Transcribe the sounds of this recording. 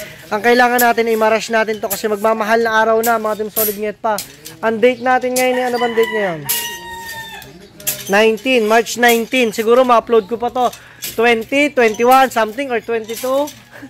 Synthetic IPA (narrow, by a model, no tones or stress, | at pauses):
ʔɐŋkɐʔɪlaːŋɐnːaːt̪ɪnɐjmaɾaʃnaːt̪ɪnt̪o̞kɐsɛmɐɡ̚maːmɐɦalnɐʔaːɾɐwnɐmɐŋat̪ɪmsolɪd̪̚ŋɛt̪̚pɐ | ʔɐŋd̪ejt̪̚naːt̪ɪnŋɐjonɪɐnobɐŋd̪ejt̪̚nɐjo̞n | ajnt̪inmaɹt͡ʃnajnt̪insɪɡuːɾomɐʔɐplowd̪̚kopɐt̪o̞ | t̪wɛnt̪it̪wɛnt̪ɪwansɐmt̪ɪŋoɹt̪wɛnt̪ɪt̪u